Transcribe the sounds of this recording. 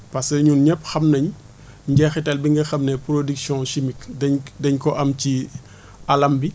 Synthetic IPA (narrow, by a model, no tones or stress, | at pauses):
pɐsɐɲunɲɛpxɐmnɐɲ | ɲɟɛxitɐlbiŋɡɐxɐmnɛpɾodiksjɔ̃ʃimikdɛɲdɛɲkɔʔɐmci | ɐlɐmbi